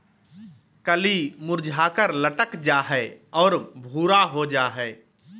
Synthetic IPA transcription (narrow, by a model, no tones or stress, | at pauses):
kəlimʊɾd͡ʒʱaːkəɾləʈəkd͡ʒaːɦɛɔːɾbʱuːɾaɦod͡ʒaːɦɛː